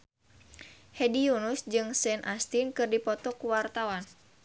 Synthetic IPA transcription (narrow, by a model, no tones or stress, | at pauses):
hɛdijunusd͡ʒɨŋsɛnʔast̪inkɨrdipɔt̪ɔkuwart̪awan